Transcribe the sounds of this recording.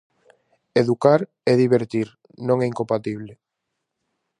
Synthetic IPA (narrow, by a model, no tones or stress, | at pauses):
eðukaɾ | ɛðiβeɾt̪iɾ | nõŋɛiŋkompat̪iβ̞le